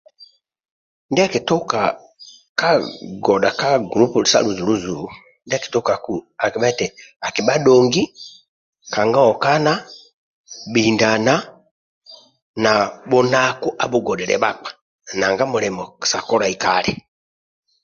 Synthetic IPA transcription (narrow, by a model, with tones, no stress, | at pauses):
ndɛ˦a˦ki˨tɔ˦ka˨ | ka˦ɡɔ˨da˨ka˦ɡɾu˦pu˨sa̰˦lu˨zu˨lu˦zu˨˦ | ndɛ˦a˦ki̥˨tɔ˦ka˨ku˦a˨ki˨ɓa˦tɛ˨a˨ki˨ba˦dɔ˨ŋɡi˦ | ka˨ŋɡa˦ɔ˨ka˦na˦ | bi˨nda˨na˦ | na˨bɔ˦na˦ku˦ʔa˨bu˦ɡɔ˨dɛ˨ɾɛ̰˨ba˦k͡pḁ˨ | na˨ŋɡa˦mu˨lɛ˨mɔ̥˨sa˨kɔ˦ɾa˨i˨ka˦˨lɛ˨